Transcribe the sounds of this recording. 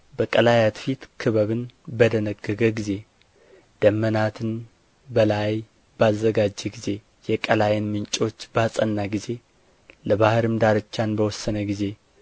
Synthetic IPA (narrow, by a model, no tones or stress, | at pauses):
bəkʼəlajat̪fit̪kʰɨβəβɨnbəd̪ənəɡːəɡəɡize̞ | d̪̥əmːənat̪ʰɨn | bəlaj | b̥azːəɡad͡ʒːɛɡize̞ | jɛkʼəlajɛnmɨnt͡ʃʼo̞t͡ʃːbasʼənːaɡize̞ | ləβahɨɾɨmd̪aɾɨt͡ʃːanbəwɔsːənəɡize̞